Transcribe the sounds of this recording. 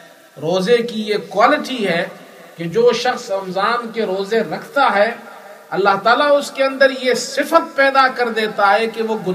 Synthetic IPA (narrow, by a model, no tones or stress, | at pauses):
ɾoːzekijekwaːlɪʈiɦɛː | ked͡ʒoːʃɐxsɐmzaːnkeɾoːzeɾɐkʰt̪aɦɛː | ɐlːaɦt̪aːlaʊskeɐ̃nd̪əɾjesɪfət̪̚pɛːd̪akɐɾd̪eːt̪aɦɛkeʋoɡʊn